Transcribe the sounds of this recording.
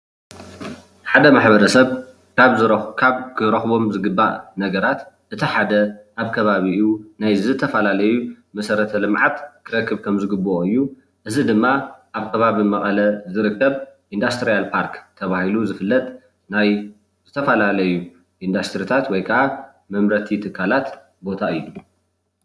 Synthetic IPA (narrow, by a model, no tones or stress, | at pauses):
ħad̪ɐmaħbɐɾɐsɐβ | kʰaβzɨɾkʰaβkʰɨɾɐxβo̞mzɨɡɨbːaʔnɐɡɐɾat̪ | ʔɨt̪ʰiħad̪ɐʔaβkʰɐβaβiʔunajzɨt̪ʰɐfɐlalɐju | mɐsɐɾɐt̪ʰɐlɨmʕat̪kʰɨɾɐkʰːɨβkʰɐmzɨɡɨbːoɨjːu | ʔɨzid̪ɨmːaʔaβkʰɐβaβimɐχʼɐlɐzɨɾɨkːɐβʔind̪ast̪ʰɨɾijalpʰaɾkt̪ʰɐβahiluzɨfɨlːɐt̪ʼ | naj | z̥ɨt̪ʰɐfɐlalɐju | ʔind̪ast̪ʰɨɾit̪ʰat̪wɔjkʰɐʔa | mɐmɾɐt̪ʰit̪ʰɨkʰːalat̪ | bo̞t̪ʰaɨjːu